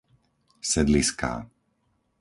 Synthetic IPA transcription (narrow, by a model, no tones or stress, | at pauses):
sɛd̪liska̰ː